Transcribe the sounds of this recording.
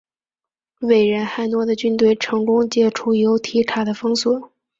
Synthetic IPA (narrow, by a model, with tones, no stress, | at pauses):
we˨˩ɪɻə˧˥nxa˥˩ɪnwɔ˥d̪ə˨t͡ɕy˥nt̪we˥˩ɪʈ͡ʂʰɤ˧˥ŋkʊ˥ŋt͡ɕjɛ˥˩ʈ͡ʂʰu˥jo˧˥ʊt̪ʰi˧˥ʈ͡ʂʰa˨˩d̪ə˦fɤ˥ŋswɔ˨˩˦